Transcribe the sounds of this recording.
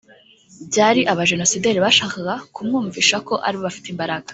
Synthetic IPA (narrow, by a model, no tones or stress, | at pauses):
bɟaːɾiʔaβaʒe̞no̞sideɾiβaʃaːkaɡakumŋuːɱviːʃako̞ʔa̰ɾiβoβafi̥teimbaɾaɡḁ